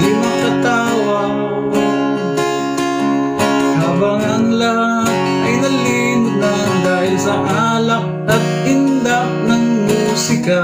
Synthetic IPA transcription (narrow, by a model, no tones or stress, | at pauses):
d̪ɪmɐkɐt̪a | wɐ | haːbɐŋɐŋla | ɐjnɐli | nʊt̪̚nɐ | ŋd̪aːhɪlsɐʔalɐk̚ɐt̪̚ɪnd̪ak̚nɐŋmuːsɪka